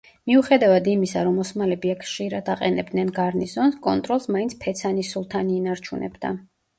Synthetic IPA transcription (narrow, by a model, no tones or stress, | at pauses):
miuχɛd̪avad̪imisaɾɔmɔsmalɛbiakʰχʃiɾad̪aqʼɛnɛb̚d̪nɛnɡaɾniszɔnskʼɔnt̪ʼɾɔlˠsmaint̪sʰpʰɛt̪sʰanisulˠt̪ʰaniːnaɾt͡ʃʰunɛ̰bd̪a̰